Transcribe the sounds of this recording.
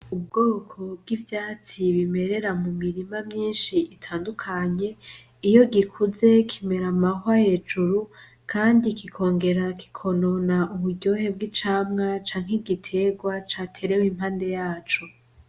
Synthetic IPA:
ub̚ɡo̞ːkʰo̞bɡivjaːt͡siβime̞ɾe̞ɾamumiɾimamɲiːnʃiitʰaːndukʰaɲe̞ | ijo̞ɡikʰuze̞kʰime̞ɾamaɦaje̞ːd͡ʒuɾu | kʰaːndikikʰo̞ːŋɡe̞ɾaki̥kʰo̞no̞naʔuβuɟo̞ɦe̞b̚ɡit͡ʃaːmŋat͡ʃaːŋ̥heɡitʰe̞ɡwat͡ʃatʰe̞ɾewimhaːnde̞jaːt͡ʃo̞

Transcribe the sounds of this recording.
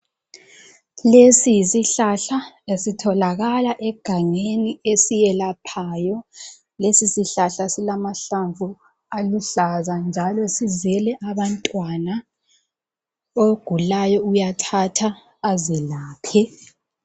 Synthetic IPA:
lesijisiɬaɬa | esitʰɔlaɣalaʔɛɡ̥ʱaŋeniesijɛlapʰaːjɔ | lesisiɬaɬasilamaɬaɱvu | aluɬazand͡ʒʱalɔsizɛlɛʔaβantʼwana | oɡ̥ʱulajɔujatʰatʰaː | zɛlaːpʰɛ

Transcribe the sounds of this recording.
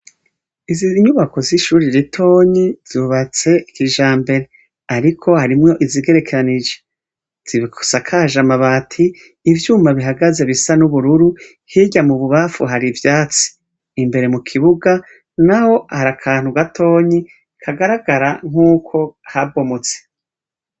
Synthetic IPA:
iziɲuβako̞ziʃuːɾiɾitʰo̞ːɲizuβat͡se̞ikiʒaːmbe̞ɾe̞ | aɾikʰo̞haɾimŋo̞ʔiziɡe̞ɾe̞keɾanid͡ʒe̥ | z̥iβiko̥sakʰaʒamaβatʰiː | vjuːmaβiɦaɡaze̞βisanuβuɾuɾu | hiɟamuβuβafuɦaɾivjaːt͡si̥ː | mbe̞ɾe̞mukʰiβuɡa | naho̞haɾakʰaːn̥huɡatʰo̞ːɲi | kʰaɡaɾaɡaɾaŋ̥uːkʰo̞habo̞mot͡se̥

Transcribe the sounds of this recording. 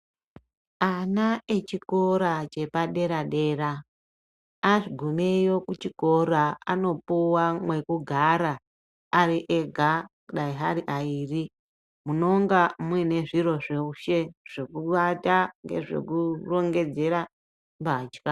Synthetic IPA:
anaet͡ʃiko̞ɾat͡ʃe̞paɗe̞ɾaɗe̞ːra | aʐiɡʱumejo̞kut͡ʃiko̞ɾaano̞puwamwe̞kuɡʱaɾaː | ɾiʔeɡʱakuɗaiɦaɾiʔaiːri | muno̞ŋɡamwine̞ʐiɾo̞ʐeuʃe̞ʐ̥ekuataŋɡe̞̰ʐe̞̰kuro̞ŋɡe̞d͡ze̞ɾa | mbad͡ʒka

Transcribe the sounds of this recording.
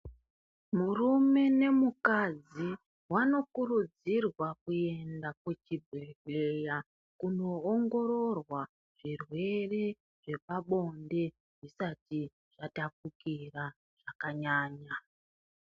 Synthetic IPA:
murume̞ne̞mukad͡zi | wano̞kurud͡zirwakue̞ndakwet͡ʃibʱeɡeja | kuno̞ːŋɡo̞ɾo̞rwa | ʐ̥irwe̞re̞ | ʐe̞paɓo̞nde̞ | ʐisati | ʐ̥atak̚ukira | ʐ̥akaɲaːɲa

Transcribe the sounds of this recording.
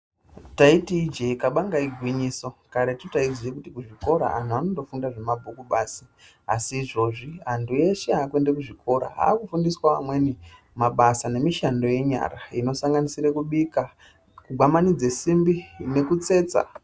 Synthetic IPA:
taitiːd͡ʒeikaɓaŋɡaiɡʱwiɲiːso̞kaɾetotaizekutikuʐiko̞ɾa̰ʔa̰ntuano̞ndo̞fundaʐemabʱukuɓaːsi | a̰siːʐo̞ʐiɦantʰuje̞ʃeaːkwe̞ndekuʐikʰo̞ɾa̰ɦa̰ːkufundiswaʋa̰mwe̞ni | maɓasane̞miʃando̞je̞ɲa̰raino̞saŋɡanisiɾekuɓika | kuɡʱwamanid͡zesimbine̞kut͡se̞ːt͡sa̰

